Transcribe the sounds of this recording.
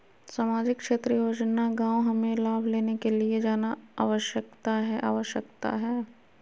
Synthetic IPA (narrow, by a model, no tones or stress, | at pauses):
saːmaːd͡ʒɪkːʃeːt̪ɾijoːd͡ʒnaɡãːwɦɐmẽlaːbʱleːnekelied͡ʒaːnaa̰ːʋəʃjək̚t̪aɦɛʔa̰ːʋəʃjəkt̪a̰ɦɛː